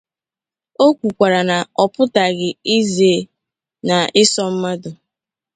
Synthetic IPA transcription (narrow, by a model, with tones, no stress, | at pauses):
o˦kʷu˨kʷa˨ɾa˨na˨ɔ˨pʊ˦ta˨ɡɪ˨i˦ze˨ | na˨ɪ˦sɔ˦m̩˦ma˦dʊ˨